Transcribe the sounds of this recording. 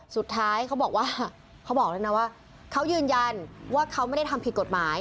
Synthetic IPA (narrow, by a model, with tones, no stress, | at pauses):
su˨˩t̪ʰːaː˦˥jkʰa˦˥wbɔː˨˩k̚waː˥˩ | kʰa˦˥wbɔː˨˩k̚lːa˧na˦˥waː˥˩ | kʰa˦˥wjɯː˧nja˧nwaː˥˩kʰa˦˥wma˥˩jda˥˩jt̪ʰa˧pi˨t̪̚ko˨˩t̪̚maː˩˦j